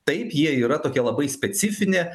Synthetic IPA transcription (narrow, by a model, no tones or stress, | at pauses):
t̪ɐɪpjiɛiːɾɐt̪oːkʲɛlˠɐbɐɪsʲpʲɛt̪sʲɪfʲɪnʲeː